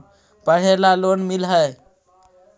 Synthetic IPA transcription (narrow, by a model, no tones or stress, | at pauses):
pəɽ̤elalonmilɦəe